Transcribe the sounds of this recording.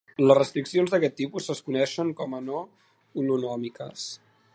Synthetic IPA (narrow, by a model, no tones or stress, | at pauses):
ləzrəst̪ɾiksionzðəkɛt̪ːipusəskunɛʃəŋkɔməno | ulunɔmikə̰s